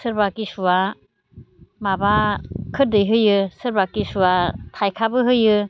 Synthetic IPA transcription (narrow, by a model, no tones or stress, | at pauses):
sɯɾbakisuwa | mabakʰɯt̚dɯjɦɯjɯsɯɾbakisuwatʰajkʰabɯɦɯjɯ